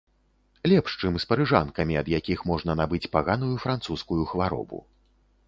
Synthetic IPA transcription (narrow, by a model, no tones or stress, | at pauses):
lʲɛpʂt͡ʂɨmspɐɾɨʐa̰nkɐmʲiɐd̪jakʲixmɔʐnɐnabɨt͡sʲpaɣanujufɾant̪suskujuxvaɾɔ̰bṵ